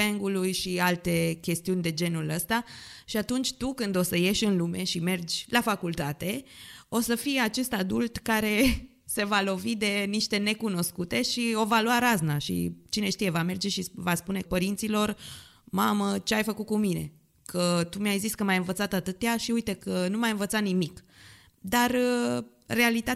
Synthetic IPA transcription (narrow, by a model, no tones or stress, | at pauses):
peŋɡulujʃialt̪e̞kʲe̞st̪iunʲd̪e̞d͡ʒe̞nuləst̪aʃiat̪unt͡ʃʲt̪ukɨnd̪o̞səje̞ʃʲɨnlume̞ʃime̞rd͡ʒʲlafakult̪at̪e̞o̞səfijeat͡ʃe̞st̪ad̪ult̪kaɾe̞ | se̞valo̞vid̪e̞niʃt̪e̞ne̞kuno̞skut̪e̞ʃio̞valowaɾaznaʃḭt͡ʃine̞ʃt̪ije̞vame̞rd͡ʒe̞ʃivaspune̞pəɾint̪silo̞r | mamət͡ʃeajfəkut̪̚kumine̞ | kʰət̪umeajziskəmajɨnvət̪sat̪at̪ɨt̪jaʃiujt̪e̞kənumajɨnvət̪sanimik | d̪arə | re̞alit̪a